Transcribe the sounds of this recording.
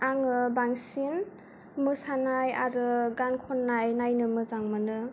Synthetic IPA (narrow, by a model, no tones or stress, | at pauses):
aŋɯbaŋsin | mɯsanaja̰ɾɯɡankʰɔnːajnajnɯmɯzaŋmɯnɯ